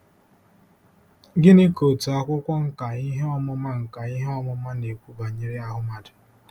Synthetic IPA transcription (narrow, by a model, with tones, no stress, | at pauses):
ɡɪ˦ne˦ko˨tu˨a˦kʷʊ˦kʷɔ˦ŋ̩˦ka˨i˦ɦe˦ɔ˦mɔ˦ma˦ŋ̩˨ka˨i˦ɦe˦ɔ˦mɔ˦ma˦ne˨kʷu˦ba˨ɲe˦ɾi˦a˦ɦʊ˦ma˨dʊ˨